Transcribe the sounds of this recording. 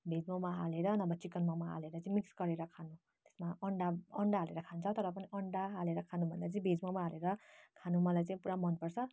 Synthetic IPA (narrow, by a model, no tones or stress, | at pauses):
bʱed͡zmawmaɦaleɾʌnʌbʌt͡sikʌnmawmaɦa̰leɾʌt͡sʌĩmiksɡʌɾeɾʌkʰanu | t̪e̥smaʌɳɖaʌɳɖaɦaleɾʌkʰant͡sʰʌt̪ʌɾʌp̬ʌniʔʌɳɖaɦaleɾʌkʰanubʱʌnd̪at͡sʌĩbʱed͡zmʌwmaɦaleɾʌkʰanumʌlajt͡sʌĩpuɾamʌnpʌrt͡sʰʌ